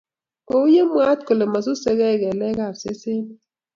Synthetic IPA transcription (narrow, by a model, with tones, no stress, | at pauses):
ko˨u˦je˦mwa˦t̪ko˨le˨ma˨su˦se˦ɣɛ˦˨ɣɛ˨lɛ˦ɣa˨se˦sɪ˦n˦